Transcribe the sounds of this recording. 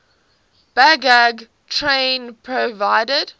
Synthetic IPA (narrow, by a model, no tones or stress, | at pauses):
b̥æɡæɡ | tʰɹẽɪnpʰɹəvaɪdəd̥